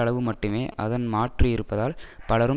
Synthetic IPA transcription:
ɐɭɐʋɯmɐʈːɯmeːʔɐ̰ðɐnmaːʈriɪɾɯpːɐðaːlpɐɭɐɾɯ

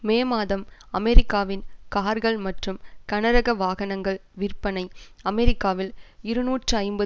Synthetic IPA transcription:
meːmaːðɐmɐmɛɾɪkːaːʋɪnkaːɾɣɐɭmɐʈrɯmkɐnɐɾɐɣɐʋaːɣɐnɐŋɡɐɭʋɪrpɐnɐɪɐmɛɾɪkːaːʋɪlɪɾɯnuːʈrɯɐɪmbɐ

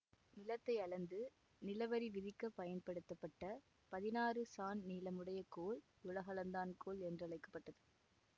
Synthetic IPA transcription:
nɪlɐt̪ːɐɪɐɭɐnd̪ɯ | nɪlɐʋɐɾiʋɪðɪkːɐpɐjɐnpɐɽɯt̪ːɐpːɐʈːɐ | pɐðɪnaːrɯsaːnniːlɐmɯɽɐjɐkoːl | ʊlɐɣɐlɐnd̪aːnkoːlɛndrɯɐɭɐɪkːɐ̥pːɐʈːɐðɯ

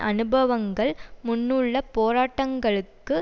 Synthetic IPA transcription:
ʔɐnɯbɐʋɐŋɡɐɭmʊnːɯɭːɐpoːɾaːʈːɐŋɡɐɭɯkːɯ

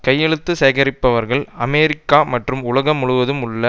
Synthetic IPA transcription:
kɐjːɛɻɯt̪ːɯseːɣɐɾɪpːɐʋɐɾɣɐɭɐmeːɾɪkːaːmɐʈrɯmʊɭɐɣɐmːʊɻʊʋɐðɯmʊɭːɐ

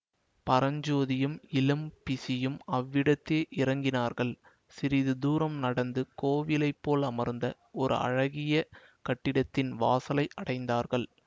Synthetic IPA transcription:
pɐɾɐɲd͡ʒoːðɪjɯmɪlɯmpɪsɪjɯmɐʋːɪɽɐt̪ːeːʔɪɾɐŋɡɪnaːɾɣɐɭ | sɪɾɪðɯd̪uːɾɐmnɐɽɐnd̪ɯkoːʋɪlɐɪpːoːlɐmɐɾnd̪ɐ | ɔɾɯ̰ɐ̰ɻɐɣɪjɐ | kɐʈːɪɽɐt̪ːɪnʋaːsɐlɐɪʔɐɽɐɪnd̪aːɾɣɐɭ

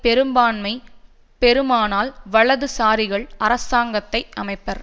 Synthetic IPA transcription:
pɛɾɯmbaːnmɐɪ | pɛɾɯmaːnaːlʋɐɭɐðɯsaːɾɪɣɐɭɐɾɐsaːŋɡɐt̪ːɐɪʔɐmɐɪpːɐɾ

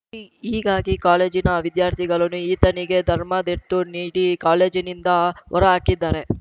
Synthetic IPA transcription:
iːɡaːɡikaːle̞ːd͡ʒinɐʋid̪jaːɾt̪ʰiɡɐɭɐnuiːt̪ɐniɡe̞d̪ʱɐɾmɐd̪eʈːuniːɽikaːle̞ːd͡ʒinind̪ɐʋɔ̰ɾɐaːkid̪ːaːɾe

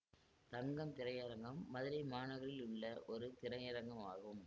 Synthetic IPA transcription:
t̪ɐŋɡɐmt̪ɪɾɐjɐɾɐŋɡɐmːɐðɪɾɐɪmaːnɐɣɐɭɪlʊɭːɐʔɔɾɯt̪ɪɾɐjɐɾɐŋɡɐmaːɣɯm

